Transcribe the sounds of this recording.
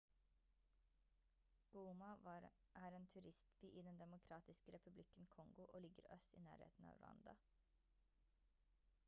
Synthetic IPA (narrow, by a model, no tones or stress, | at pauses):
ɡ̥uːmɑɑ | ʔæːɾeːnt̪ʰʉɾɪst̪byːʔiːd̪ɛnd̪ɛmʊkʰɾɑːt̪ɪskəɾɛpʉblɪkənkʰɔŋɡʊʔoːlɪɡə̰ɾœst̪ḭːnæ̰ːɾhḛːt̪n̩ɑ̰ːɾɑ̰nd̪ɑ̰